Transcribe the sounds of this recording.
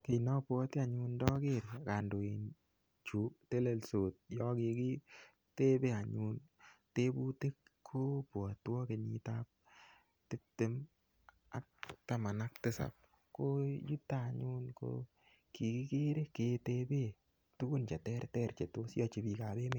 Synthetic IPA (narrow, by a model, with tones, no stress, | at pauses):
ke˨nɔ˦pwɔ˦ta˨ɲu˦ndɔ˦ke˦ɾka˨ndo˨e˨n | t͡ʃu˨˦te˦le˨lso˨t̪̚jɔ˦kɪ˨ki˦ | te˦be˦a˨ɲu˦nte˦bu˦te˦kʰːo˦pwɔ˨twɔ˦ke˨ɲi˨ta˦p̚ | tɪ˦tːɪ˦m | a̰˨k̚ta˦ma˨na˦k̚tɪ˦sa̰˨p̚ | ko˦ju˦tːa˦˨ɲu˦nko̰ | ki˨ki˦ke˦ɾe˦ke˨te˦be˦ | tu˦ku˦nt͡ʃa˨tɛ˦ɾtɛ˦ɾt͡ʃe˨to˦sjɔ˦t͡ʃi˨bi˨ka˨be˦me˨